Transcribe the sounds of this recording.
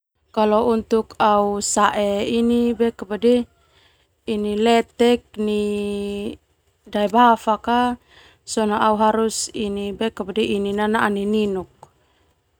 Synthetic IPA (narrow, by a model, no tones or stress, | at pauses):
kalɔunt̪ukausaʔɛinibɛkabadɛ | inilɛt̪ɛk̚ni | daɛbafaka | sɔnaʔauɦaɾusinibɛkabadɛininanaʔanininuk̚